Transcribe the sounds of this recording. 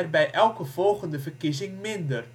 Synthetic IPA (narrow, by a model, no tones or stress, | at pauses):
rbɛjʔɛlˠkəv̥ɔlˠχəndəvərkizɪŋmɪndər